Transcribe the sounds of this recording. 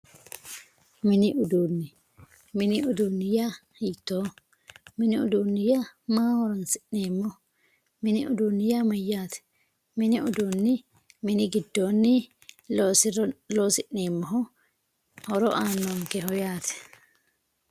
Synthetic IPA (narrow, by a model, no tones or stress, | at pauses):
mɪnɪʔʊd̪uːnːɪ | mɪnɪʊd̪uːnːɪja | hiːt̪ːoː | mɪnɪʊ̰d̪uːnːɪjamaːhɔɾɔnsɪʔneːmːɔ | mɪnɪʊd̪uːnːɪjamɐjːaːt̪ɛ̥ | mɪnɪʊd̪unːɪ | mɪnɪɡɪd̪ːoːnːɪ | oːsɪloːsɪʔneːmːɔɦɔ | hɔɾɔʔaːnːoŋkɛɦɔjaːt̪ʰɛ̥